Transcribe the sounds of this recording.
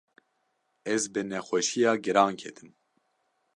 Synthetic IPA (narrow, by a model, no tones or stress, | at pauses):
ɛzbɨnɛxʷɛʃijɑːɡɨɾɑːŋkʰɛt̪ʰɨm